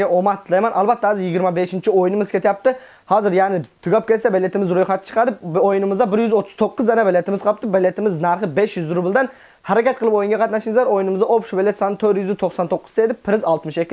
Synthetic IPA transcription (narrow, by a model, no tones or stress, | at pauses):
ɡʲɛʔomɑt̪ʰːlˠɑjmɛnʔɑlˠbɛt̪ːɛhɑːzɪɾjɪɡʲiɾmɛbeʃɪnt͡ʃʰiojunɨmɨzkʲʰet̪jɑp̚t̪ɨ | hɑːzɪɾjæʁnɪt̪ʰʊɡʲɑp̚kʲʰet̪sɛbelʲːet̪ɪmɪzɾojχɑt̪ɪ̥t͡ʃʰə̥qʰɑd̪ɨpojunɨmɨzd̪ɑbɪɾjyzot̪ʰːʊ̥z̥t̪ʰoqːʊzd̪ɛnɛbelʲːet̪ɪmɪzqʰɑp̚t̪ɨbælːet̪ɪmɪznæɾχɨbeʃjyzɾʊbɪlˠd̪ɛn | hæɾɛkʲɛt̪̚qʰəlˠɨpojunŋɡɑqʰɑt̪nɑʃɪŋzˠɑɾojunɨmɨzɑʔopʃubelʲːet̪sɑnɨt̪ʰøɾjyzɪt̪ʰoχsɑnt̪ʰoqːʊ̥zd̪ejd̪ɪpʰːɪɾɪzɑlˠt̪mɨʃekʲːɪ